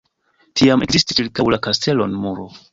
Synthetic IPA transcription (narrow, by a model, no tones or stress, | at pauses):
tʰiame̞kzisti̥t͡ʃilkawlakastʰe̞lo̞nmuɾo